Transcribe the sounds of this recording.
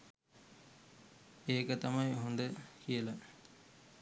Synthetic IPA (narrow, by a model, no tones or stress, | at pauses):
eːkɐt̪ɐmɐjɦund̪əkijɐlɐ